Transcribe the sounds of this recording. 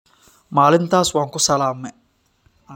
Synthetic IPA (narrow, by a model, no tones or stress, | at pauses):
maːlɪnt̪ʰaːswaːŋkʊsɐlaːmːɛ